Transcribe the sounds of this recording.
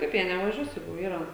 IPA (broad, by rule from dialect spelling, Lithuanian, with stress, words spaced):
ˈkɐɪp jiɛ nʲɛʋɐˈʒʲuɔs ˈjɛɪɡʊ ˈiːrɐ